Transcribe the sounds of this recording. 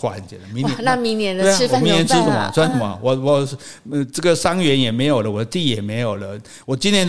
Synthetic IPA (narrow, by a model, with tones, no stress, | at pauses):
wa̰˧˥nt͡ɕɛ̰˨˧˩d̪ə˧˨˦mi˧˦n˧na˥˧mi˧˦ŋnjɛ˧˦nd̪e˥˧˦mi˧˥n˧jɛ˧˦nʈ͡ʂɻ̩˥d̪ə˨mɐ̰˧˦swa˧˥nʂə˨˩mɐ̰˦wɔ˨˩wɔ˨˩˧ | ʈ͡ʂə˥˩ɡə˨˩ʂa˥ŋɥɛ˧˥njɛ˨˩me˧˥ɪjo˨˩lə˦wɔ˨d̪ə˦t̪i˥˩jɛ˨˩me˧˥ɪjo˨˩ʊlə˦ | wɔ˨˩t͡ɕi˥nt̪ʰjɛ˦˥n